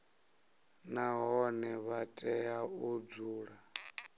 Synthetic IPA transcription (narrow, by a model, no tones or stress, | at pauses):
naɦɔnɛβatʼɛaud͡zuːɺa